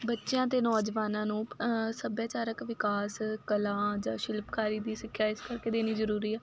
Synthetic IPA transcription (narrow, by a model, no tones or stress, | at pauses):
bətːʃejãːt̪eːnɔːd͡ʒʋaːnãːnũːsəbjaːt͡ʃaːɾəkʋɪkaːskəlãːd͡ʒãːʃɪlpkaːɾiːd̪iːsɪkʰjaːɪskəɾkeːd̪eːniːzəɾuːɾiːɛː